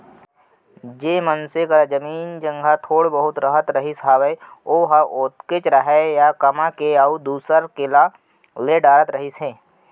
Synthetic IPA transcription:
d͡ʒeːmənsekəɾad͡ʒəmiːnd͡ʒə̃ŋɡʱat̪ʰoːɽbəɦʊt̪ɾəɦət̪ɾəɦisɦaːweoːɦaʔoːt̪ket͡ʃɾəɦɛjakɐmãkeaud̪uːsəɾkɪla | leɖaːɾət̪ɾəɦɪsɦẽː

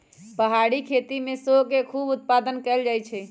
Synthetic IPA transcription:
pəɦaɽikʰet̪imesokekʰubut̪̚pad̪ənkɛld͡ʒajt͡ʃʰɛ

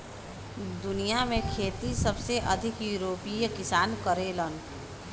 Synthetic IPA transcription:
d̪ʊnijamẽkʰeːt̪isɐbseʔɐd̪ʱɪkjuːɾoːpikɪsaːnkəɾeːlən

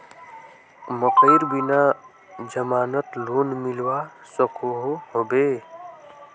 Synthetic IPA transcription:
məkəɪɾbina | d͡ʒəmaːnət̪loːnmɪlwasəkʰoɦoɦoːbeː

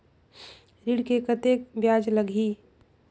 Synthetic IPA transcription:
ɾiɽkekət̪ekbjaːd͡ʒləɡʱi

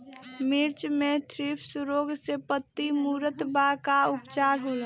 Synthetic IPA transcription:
mɪɾt͡ʃmẽt̪ʰɾipʰsuɾoːɡsepət̪ːimuːɾət̪bakaʊpt͡ʃaːɾɦoːl

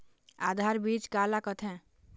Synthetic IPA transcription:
ad̪ʱaɾbit͡ʃkalakət̪ʰɛ̃

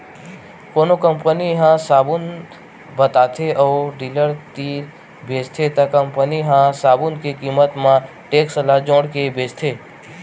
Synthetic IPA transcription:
koːnokə̃mpəniɦãsaːbʊn | bət̪aːt̪ʰeʔɔːɖiːləɾt̪iːɾ | bʱeːd͡ʒt̪ʰet̪ɐkɐ̃mpəniɦãsaːbʊnkekiːmət̪mã | ʈeːksəlad͡ʒõːɽkebeːt͡ʃt̪ʰeː

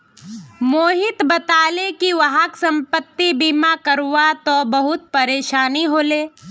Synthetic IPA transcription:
moːɦɪt̪bət̪aːlekiʋɐɦaksɐ̃mpət̪ːibiːmakəɾʋat̪obɐɦʊt̪̚pɐɾeːʃaːniɦoːleː

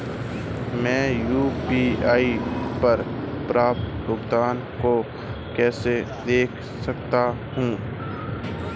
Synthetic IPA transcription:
mɛ̃ːjuːpiːaːipɐɾpɾaːp̚t̪bʊɡd̪aːn | ko | kɛːsed̪eːkʰsɐkt̪a | hũː

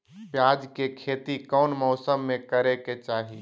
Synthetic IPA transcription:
pjaːd͡ʒkekʰeːt̪ikɔːnmɔːsəmːẽkəɾeket͡ʃaːɦi

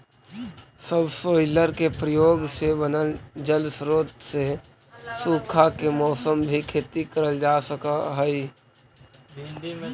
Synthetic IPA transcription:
səbsoːɪləɾkepɾəjoːɡsebənəld͡ʒəlsɾoːt̪se | suːkʰakemɔːsəmbʱikʰeːt̪ikəɾəld͡ʒaːsəkaɦɛi

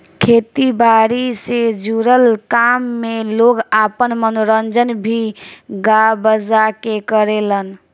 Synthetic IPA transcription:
kʰet̪ibaɾised͡ʒuɾəlkamːeloɡapənmənoɾənd͡ʒənbʱiɡabəzakekəɾelən

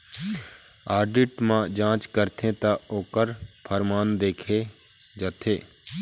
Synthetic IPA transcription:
aːɾɖɪʈmãd͡ʒãːt͡ʃkəɾt̪ʰẽt̪aoːkəɾpʰəɾmaːnd̪eːkʰe | d͡ʒət̪ʰeː

